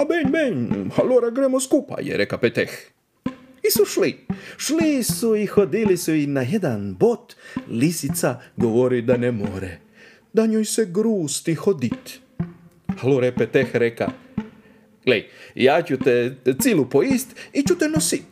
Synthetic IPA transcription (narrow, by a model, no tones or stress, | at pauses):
abenʲbeɲhaloɾaɡɾemoskupa̰jḛɾekapet̪ex | isuʃliʃlisuixod̪ilisuinajed̪anbo̞t̪lisit̪saɡoʋoɾid̪anemoɾḛ | d̪aɲojseɡɾuːst̪ixod̪it̪ | haloɾepet̪exɾeka̰ | ɡ̥lejjaːt͡ʃut̪et̪silupoist̪it͡ɕut̪enosit̪